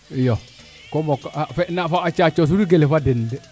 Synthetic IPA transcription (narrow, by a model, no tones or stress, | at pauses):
jo | komɔkfɛnafaːt͡ʃat͡ʃos̬uɾiɡelefadɪndɛ